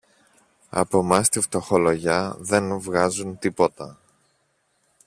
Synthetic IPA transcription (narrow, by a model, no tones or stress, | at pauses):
ɐ̰po̞mɐst̪ift̪o̞xo̞lo̞ʝɐðenvɣɐzunt̪ipo̞t̪ɐ